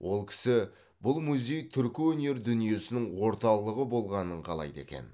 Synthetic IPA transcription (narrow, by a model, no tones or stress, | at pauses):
wʔo̞lˠkʲʰɪ̥sɪ | bʊlˠmuzʲe̞jt̪ʰʏɾkʲɪwɵne̞ɾd̪ʏnije̞sɪnɪŋwo̞ɾt̪ɑwlˠəʁəbo̞lˠʁɑnəɴqʰɑ̰lˠɑ̰jd̪e̞̰kʲe̞̰n